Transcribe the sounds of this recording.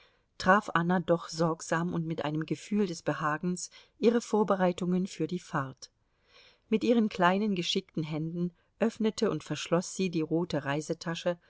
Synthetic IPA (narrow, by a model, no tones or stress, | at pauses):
tʁ̥aːfʔanadɔχz̥ɔɐkz̥aːmʊntmɪtʔa̰ɪnəmɡəfyːldɛsb̥əhaːɡn̩sʔiːʁ̞əfoːɐbəʁaɪtʊŋənfyːɐdiːfaɐt | mɪtʔiːʁ̞ənkʰl̥aɪnənɡəʃɪktn̩ɦɛndn̩ | ʔœfnətʰəʊntfɛɐʃlɔsz̥iːdiːʁoːtəʁaɪzətʰaʃə